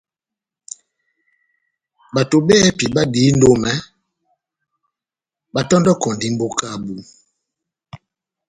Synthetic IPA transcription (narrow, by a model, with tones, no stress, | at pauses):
ba˨to˨bɛ˦pi˨ɓa˦di˨˦n˦do˦mɛ˦ | ba˦tɔ˦ndɔ˦kɔ˨ndi˦m̩˦bo˦ka˦˨bu˨